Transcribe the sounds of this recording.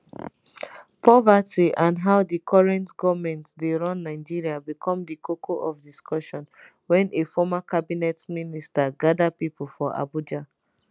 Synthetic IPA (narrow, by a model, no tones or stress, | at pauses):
pʰɔvatiʔãnɦaʊdikʰɔɹɛ̃ntɡɔvmɛ̃ntdeɹɔ̃nːaɪd͡ʒiɹiabikʰɔ̃mdikʰokʰoʔɔfdiskʰɔʃɔ̃n | wɛ̃nʔefɔmakabinɛtministaɡadapipʰul̩fɔʔa̰bud͡ʒa